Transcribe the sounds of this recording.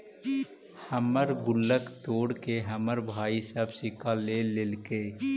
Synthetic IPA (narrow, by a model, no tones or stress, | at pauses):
həməɾɡʊlːəkt̪oːɽkeɦəməɾbʱaːisəbsɪkalelelke